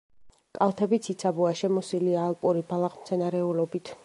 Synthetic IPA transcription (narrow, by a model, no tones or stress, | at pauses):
kʼalˠt̪ʰɛbit̪sʰit̪sʰabuaʃɛmɔsiliaːlˠpʼuɾibalˠaχmt̪sʰɛnaɾɛulɔbit̪ʰ